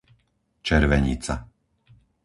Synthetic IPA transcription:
t͡ʃɛɾʋɛɲḭt͡sa̰

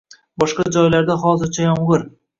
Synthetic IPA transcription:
bɒʃqɑd͡ʒɒjlaɾd̪aɦɒzɪɾt͡ʃʰajɒmʁɨɾ

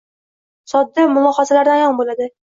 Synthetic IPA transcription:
sɒd̪ːɪmʊlˠɒhɒzalaɾd̪anjɒnbolad̪ɪ

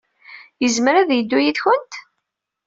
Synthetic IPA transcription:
jəzmɾæðjəd̪ːujiðçʊnt̪

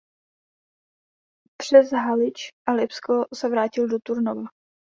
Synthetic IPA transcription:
pr̝̥ɛzɦalɪt͡ʃʔalɪpskosɛvɾaːcɪldot̪uɾnova

